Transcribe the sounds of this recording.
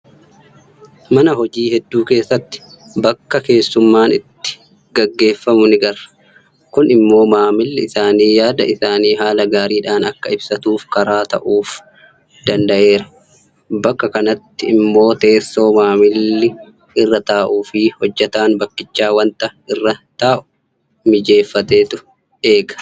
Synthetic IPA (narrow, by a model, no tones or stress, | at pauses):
mɐnɐɦɔd͡ʒiːhɛd̪ːuːke̞ːsːɐt̪ːɪ̥ | bɐkːɐke̞ːsːʊmːaːnɪt̪ːɪ̥ | ɡɐɡːe̞ːfːɐmʊnɪɡɐrɐ̥ | kʊnɪmːo̞ːmaːmɪlːɪɪsaːniːjaːd̪ɐɪsaːniːɦaːlɐɡaːɾiːᶑaːnɐkːɐɪbsɐt̪uːfkɐɾaːt̪ɐʔuːf | d̪̥ɐnd̪ɐʔe̞ːɾɐ | bɐkːɐkɐnɐt̪ːɪɪmːo̞ːt̪e̞ːsːo̞ːmaːmɪlːɪ | ɪrːɐt̪aːʔuːfɪhɔd͡ʒːɛt̪aːnbɐkːɪt͡ʃːaːwɐnt̪ɐɪrːɐt̪aːʔʊ̥ | mɪd͡ʒe̞ːfːɐt̪e̞ːt̪ʊ | e̞ːɡɐ̥